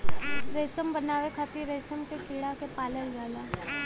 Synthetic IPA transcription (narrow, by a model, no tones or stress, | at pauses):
ɾeːsəmbənaːʋekʰat̪iɾeːsəmkekiːɽakepaːləld͡ʒaːlaː